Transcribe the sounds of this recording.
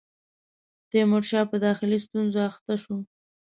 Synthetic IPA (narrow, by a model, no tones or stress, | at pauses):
d̪̥əmoʈʃɑpəd̪ɑxɪlist̪unzoaxt̪aʃu